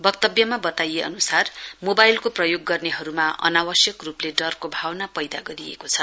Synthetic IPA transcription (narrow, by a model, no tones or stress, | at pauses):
bʌkt̪ʌbjʌmabʌt̪ajeʌ̰nusarmobajlkoprʌjoɡːʌrneɦʌɾumaʌ̰nawʌsjʌkrupleɖʌrkobʱawnapʌjd̪a̰ɡʌɾiḛkot͡sʰʌ